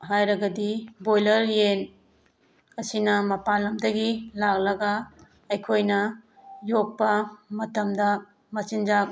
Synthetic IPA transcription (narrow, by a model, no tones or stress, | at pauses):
ɦajɾɐɡɐdibojlɐɾjen | ɐsinɐmɐpalɐmdɐɡilak̚lɐɡɐ | ɐjkʰojnɐjok̚pɐmɐtɐmdɐ | mɐsind͡ʒak̚